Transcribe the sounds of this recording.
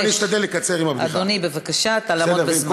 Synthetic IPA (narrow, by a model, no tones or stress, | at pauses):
niʃt̪ad̪elːekat͡seʁimabad̪onibevakaʃat̪alaobesk